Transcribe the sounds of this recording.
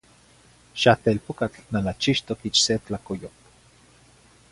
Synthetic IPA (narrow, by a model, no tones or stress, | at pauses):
ʃat̪elpokat͡ɬnanat͡ʃiʃt̪okit͡ʃset͡ɬakojop